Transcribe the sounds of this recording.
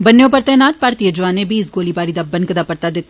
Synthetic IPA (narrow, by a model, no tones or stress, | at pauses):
bɐnːjõpɐɾt̪ɛːnaːt̪̚paːɾt̪ijəd͡ʒʊʋaːnebiːsɡoːlibaːɾid̪aːbɐ̃nkɐd̪aːpɐɾt̪ad̪ɪt̪